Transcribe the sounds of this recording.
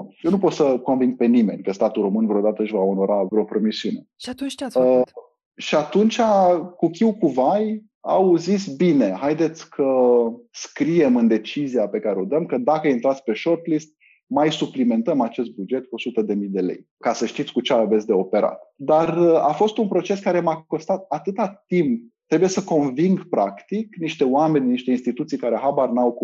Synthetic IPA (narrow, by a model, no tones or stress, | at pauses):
jenupo̞t̪səko̞nviŋɡ̚pe̞nime̞̰nʲkəst̪at̪ulɾro̞mɨnvɾeod̪at̪əɨʃvao̞no̞ɾavɾeo̞pɾo̞misiune̞ʃat̪unt͡ʃt͡ʃa | ʃiat̪unt͡ʃakukʲiwkuvaj | a̰wzisʲbine̞ɦajd̪e̞t̪sʲkʰəskɾije̞mɨnd̪e̞t͡ʃizijape̞kaɾeod̪əmkəd̪akəajint̪ɾat̪sʲpe̞ʃo̞rt̪list̪̚ | majsuplime̞nt̪əmat͡ʃe̞st̪̚bud͡ʒe̞t̪̚kuo̞sut̪əd̪e̞mijd̪e̞lḛj | kasəʃt̪it̪sʲkut͡ʃeaves̬ʲd̪e̞o̞pe̞ɾa̰t̪d̪ara̰fo̞st̪unpɾo̞t͡ʃe̞skaɾe̞mako̞st̪at̪̚at̪ɨt̪at̪imp̚t̪ːɾebuje̞səko̞nviŋɡpɾakt̪ikniʃt̪e̞oame̞nʲniʃt̪e̞inst̪it̪ut̪sijkaɾeɦabarnawku